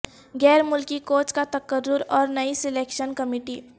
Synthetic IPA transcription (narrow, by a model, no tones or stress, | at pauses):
ɡɛːɾmʊlkikoːt͡ʃkat̪ɐkəɾːʊɾɔːɾnɐisɪleːkʃənkɐmiːʈiː